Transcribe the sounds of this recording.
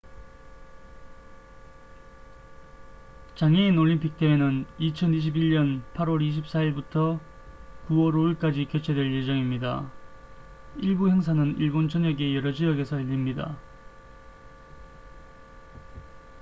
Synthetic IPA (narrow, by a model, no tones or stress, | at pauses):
t͡ɕaŋeinoʎːimpʰik̚t͈emenɯnit͡ɕʰʌniɕ̬ʰibiɭɲʌnpʰaɾwʌɾiɕ̬ʰip̚s͈ʰaiɭbutʰʌ | kuwʌɾoiɭk͈ad͡ʑikjot͡ɕʰe̞dwe̞ɭje̞d͡ʑʌŋimɲida̰ | iɭbuhe̞ŋsʰanɯniɭbont͡ɕʰʌɲʌɡe̞jʌɾʌd͡ʑiʌɡe̞sʰʌɦeʎːimɲida̰